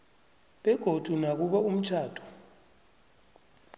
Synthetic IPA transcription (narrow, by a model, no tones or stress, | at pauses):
ɓɛɡ̥ʱod̥ʱunak̬uɓaum̩t͡ʃʰaːd̥ʱɔ̥